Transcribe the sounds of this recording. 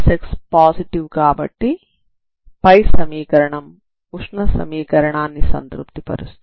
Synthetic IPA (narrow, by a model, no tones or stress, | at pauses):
sekspaːsiʈiʋkaːbɐ̰ʈːi | pɐjsɐmiːkɐɾɐɳɐm | uʂɳɐsɐ̰miːkɐɾɐɳaːnːisɐ̰nt̪ɾup̚t̪ipɐ̰ɾust̪